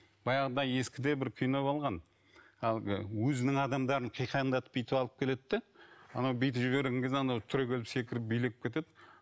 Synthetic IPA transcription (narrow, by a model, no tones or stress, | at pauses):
b̥ɑjɑʁəd̪ɑje̞skʲɪd̪e̞bɪɾkʲʰijnobɑlˠʁɑn | ɑlˠɡʲɪ̰wɵzɪnɪŋɑd̪ɑmd̪ɑɾəɴqʰijqʰɑjənd̪ɑt̪ə̥p̚bijt̪ɪpɑlˠəp̚kʲʰe̞let̪ːɪɑ̰nɑwbijt̪ɪpʒɪbe̞ɾɡʲeŋɡʰʲezeɑnɑwt̪ʰʏɾekʲʰe̞lɪpse̞kʲɪɾɪp̚bijlɪkʲɪpkʲʰet̪e̞d̪ɪ